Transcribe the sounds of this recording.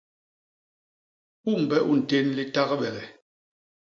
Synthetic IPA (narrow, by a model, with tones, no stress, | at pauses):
u˦˨m̩˨bɛ˦ʔu˦˨n̩˨te˦nli˦ta˦ɣə˦bɛ˨lɛ˨